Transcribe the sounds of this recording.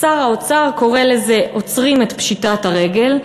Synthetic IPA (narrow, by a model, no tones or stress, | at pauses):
aʁaot͡saʁko̞ʁele̞ze̞ʔo̞t͡sʁimet̪pʃitataʁe̞ɡe̞l